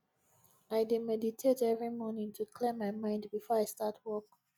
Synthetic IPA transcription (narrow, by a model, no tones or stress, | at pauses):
aɪdemɛditʰetɛvɹimɔnɪ̃ŋtʰukʰlɛ̃maɪmãɪ̃ndbifɔaɪstatʰwɔk